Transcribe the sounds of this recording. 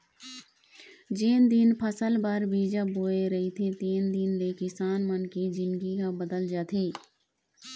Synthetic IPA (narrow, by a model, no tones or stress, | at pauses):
d͡ʒeːnd̪inpʰəsəlbəɾbiːd͡ʒaboːeɾɐɦit̪ʰet̪eːnd̪inleːkɪsaːnmənkid͡ʒɪnɡikabəd̪əld͡ʒaːt̪ʰeː